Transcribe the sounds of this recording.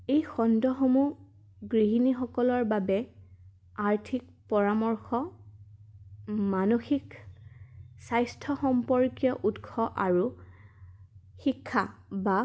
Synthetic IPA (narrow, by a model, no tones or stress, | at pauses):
ejxɔndɔxomu | ɡɹiɦinixɔkɔlɔɹbabɛ | aɹtʰik̚ | pɔɹamɔɹxɔ | manoxik | sajstʰɔxɔmpɔɹkjɔʔutkʰɔʔaɹu | xikʰːaba